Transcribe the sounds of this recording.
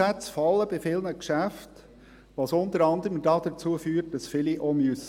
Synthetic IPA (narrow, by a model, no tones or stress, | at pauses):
ætsfɑlːəb̥ɪfɪlnəkʃæft | ʋɑsʊnt̪əɾɑnd̪əɾəmdɑːd̪̥ət͡suəfyːɾt̚d̥ɑsfɪliʔɔmjus